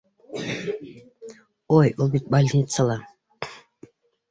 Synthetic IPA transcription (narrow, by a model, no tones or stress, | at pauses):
ojulˠbit̪̚balʲnʲit̪səlˠa